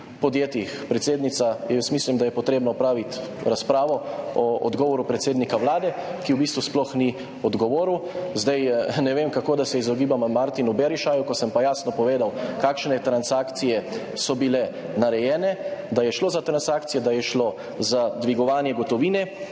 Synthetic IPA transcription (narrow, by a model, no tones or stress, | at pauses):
pɔd̪jeːt̪ixpɾɛt̪seːd̪nit̪sajɛjsmiːslimd̪ajɛpɔt̪ɾeːbnɔpɾaːʋit̪ɾaspɾaːʋɔɔɔ̰d̪ɡɔːʋɔɾupɾɛt̪seːd̪nikawlaːd̪ɛkiwbiːst̪ʋusplɔxni | ɔd̪ɡɔʋoːɾuwzd̪ajnɛʋeːmkakoːd̪asɛizɔɡiːbammaɾt̪inubɛɾiʃajukɔsəmpajaːsnɔpɔʋeːd̪awkaːkʃnɛt̪ɾansaːkt̪sijɛ | sɔbilɛ | naɾɛjɛːnɛd̪ajɛʃloːzat̪ɾansaːkt̪sijɛd̪ajɛʃlo | zad̪ʋiɡɔʋaːnjɛɡɔt̪ɔʋiːnɛ